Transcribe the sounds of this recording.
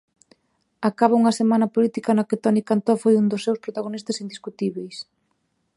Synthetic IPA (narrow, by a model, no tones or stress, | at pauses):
akaβouŋɐsemanɐpolit̪ikɐnakɪt̪ɔnikant̪ɔfojund̪osːewspɾot̪aɣ̞onist̪ɐsind̪iskut̪iβejs